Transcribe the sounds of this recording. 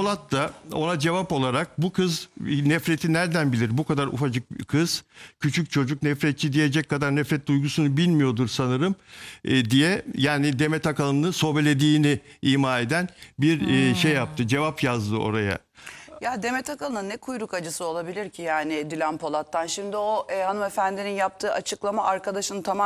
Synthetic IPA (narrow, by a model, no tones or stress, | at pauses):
olˠat̪ːao̞nad͡ʒe̞vapo̞lˠaɾak̚bukʰɯznɛfɾe̞t̪ʰinæɾd̪ænbilʲiɾbukʰad̪aɾʔṵfad͡ʒɯk̚kʰɯz̥cʰyt͡ʃʰyc̚t͡ʃʰo̞d͡ʒuk̚nɛfɾɛt̪̚t͡ʃʰid̪ije̞d͡ʒɛckʰːad̪aɾnɛfɾɛt̪̚d̪ujɡusunubilʲmijo̞d̪uɾsanɯɾɯmd̪ijɛjaːnid̪e̞mɛt̪ʰakalˠɯnɯso̞belʲe̞d̪iːniimaːe̞d̪ænbiɾʃejːap̚t̪ʰɯd͡ʒe̞vapjazd̪ɯo̞̰ɾaja̰ | jad̪e̞mɛt̪ʰakalˠɯnɯnːɛkʰujɾukad͡ʒɯsɯo̞lˠabilʲiɾcʰijaːnɪd̪ilʲænpʰo̞lˠat̪ʰːanʃimd̪iohanɯmefænd̪ininjap̚t̪ʰɯːʔat͡ʃʰɯklˠamaʔaɾkʰad̪aʃɯnɯt̪ʰama